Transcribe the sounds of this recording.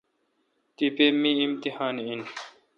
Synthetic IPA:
t̪ipemĩimt̪ihaːnein

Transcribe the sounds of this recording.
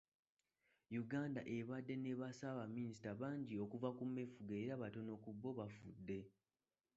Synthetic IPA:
juɡaːndaʔe̞βadːe̞ne̞βasaβamːinisi̥taβaːɲɟio̞kuvakumːe̞fuɡeɾaβato̞no̞kubːo̞βafudːe̞

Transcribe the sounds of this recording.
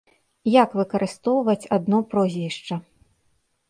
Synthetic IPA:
jakvɨkɐɾʔɨst̪ɔwvɐt͡sʲad̪nɔpɾɔzʲvʲiʂt͡ʂɐ

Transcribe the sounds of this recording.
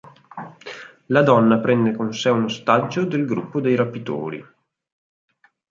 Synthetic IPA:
lad̪ɔnːapɾɛnd̪ekonsɛunost̪ad͡ʒːod̪elɡɾṵpːod̪ejɾapːit̪o̰ːɾḭ

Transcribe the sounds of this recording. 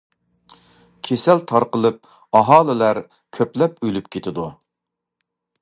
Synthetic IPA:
kʲʰesɛlt̪ʰɑɾqəlˠɨp̚ | ɑɦɑːlˠɨlæɾ | kʲʰøplɛp̚ølypkʲʰet̪ʰɪd̪u

